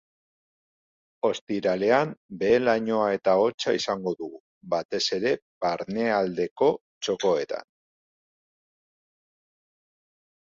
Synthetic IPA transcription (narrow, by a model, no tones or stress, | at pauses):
o̞st̪iɾale̞ambe̞ːlaɲo̞ae̞t̪ao̞t͡ʃaisaŋɡo̞ðuɣu | βat̪e̞se̞ɾe̞βaɾne̞ald̪e̞ko̞ | t͡ʃo̞ko̞e̞t̪a̰n